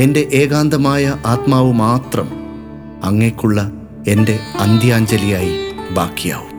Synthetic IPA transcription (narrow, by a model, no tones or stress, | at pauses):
e̞nde̞ʔe̞ːɣaːnd̪ɐmaːjɐʔaːt̪maːʋumaːt̪rɐm | ɐŋːekʲːuɭːɐ | e̞nde̞ɐnd̪ʱjaːɲd͡ʑɐlijaːjibaːkːija̰ːʋum